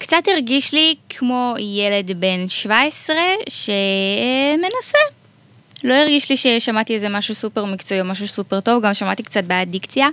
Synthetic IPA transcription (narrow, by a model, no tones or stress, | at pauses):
kt͡satiʁɡiʃlikʰmo̞jele̞dbe̞nʃvaesʁe̞ʃe | me̞nase | lo̞iʁɡiʃliʃeʃamat̪iezemaʃusupeʁmikt͡soiomaʃ̬usupeʁto̞vɡamʃamat̪ikt͡sat̚beadikt͡sija